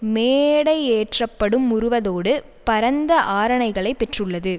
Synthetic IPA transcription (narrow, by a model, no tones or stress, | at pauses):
meːɽɐɪeːʈrɐpːɐɽɯmːʊɾʊʋɐðoːɽɯ | pɐɾɐnd̪ɐʔaːɾɐɳɐɪɣɐɭɐɪpːɛʈrɯɭːɐðɯ